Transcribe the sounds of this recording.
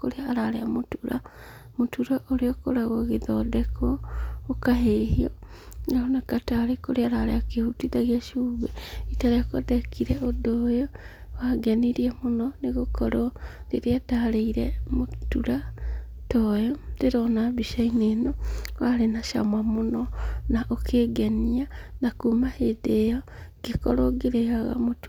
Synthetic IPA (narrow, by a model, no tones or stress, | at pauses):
koɾeaɾaɾeamotuɾa̰ | motuɾaʔoɾeɔkoɾaɣɔɣeðɔdɛkʰɔokaɦehiɔɾaonakataɾekoɾeaɾaɾḛakehutiðaɣiaʃuːβɛitaɾeakadɛkʰiɾɛʔodojowaɡɛniɾiɛmonɔneɣokʰɔɾɔɾeɾeadaɾeiɾɛ̰motuɾa | tɔjɔdeɾɔnaβiʃainenowaɾenaʃa̰mamonɔnaʔokʰeɡɛnianakumahedejaɡ̥ekɔɾɔɡeɾeɣaɣa̰motu